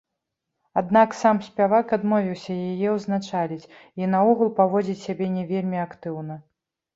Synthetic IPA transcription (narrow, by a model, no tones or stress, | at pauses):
ad̪naksamsʲpʲavakad̪mɔvʲiwsʲɐjajɛwznat͡ʂalʲit͡sʲinɐɔɣulˠpavɔd͡zʲit͡sʲsʲabʲɛnʲɛvʲelʲmʲiakt̪ɨwnɐ